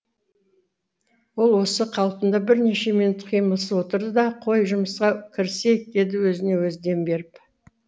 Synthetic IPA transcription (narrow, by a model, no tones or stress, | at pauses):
wo̞lˠwo̞səqʰɑlˠpənd̪ɑbɪɾne̞ʃe̞minut̪qʰijməlˠsəwo̞t̪əɾd̪əd̪ɑqʰo̞jʒʊməsqɑkʲʰɪɾse̞k̚d̪e̞d̪ɪwɵzɪne̞wɵzd̪e̞mbe̞ɾɪp